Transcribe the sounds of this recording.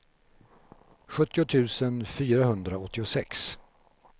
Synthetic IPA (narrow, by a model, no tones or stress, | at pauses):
ɧɵt̪ːɪʊt̪ʰʉ̟ːsənfyːɾaɦɵnd̪ɾaɔt̪ʰːɪʊsɛks